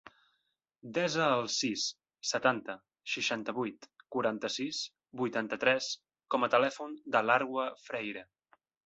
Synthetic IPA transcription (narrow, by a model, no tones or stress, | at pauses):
d̪ɛzəːlˠsisː | ət̪ant̪ə | ʃiʃant̪əβujt̪kuɾant̪əsis | bujt̪ant̪ət̪ɾɛs | kɔmət̪əlɛfund̪əlaɾɣwəfɾɛjɾə